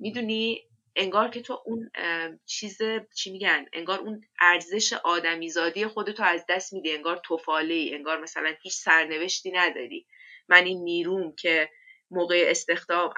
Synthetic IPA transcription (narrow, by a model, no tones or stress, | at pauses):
mid̪uːni | e̞ŋɡɒːɾcʰe̞t̪ʰoʔunt͡ʃʰiːzet͡ʃʰimiɟæne̞̰ŋɡɒːɾunæɾze̞ʃeʔɒːd̪æmiːzɒːd̪ije̞xo̞d̪e̞t̪ʰoæzd̪æst̪miːd̪ie̞ŋɡɒːɾt̪ʰofɒːleiːe̞ŋɡɒːɾmæsælænhiːt͡ʃʰsæɾne̞ve̞ʃt̪iːnæd̪ɒːɾḭː | mæniːnːiːɾuːmcʰe̞ | moːɣejeest̪e̞xd̪ɒːm